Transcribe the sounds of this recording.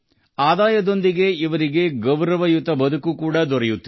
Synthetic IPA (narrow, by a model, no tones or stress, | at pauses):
aːd̪aːjɐd̪o̞nd̪iɡe̞iʋɐɾiɡe̞ɡɐwɾɐʋɐjut̪ːɐbɐd̪ukukuːɽɐd̪ɔɾɛjut̪ː